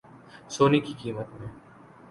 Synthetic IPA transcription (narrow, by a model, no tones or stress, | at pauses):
soːnikikiːmət̪mẽː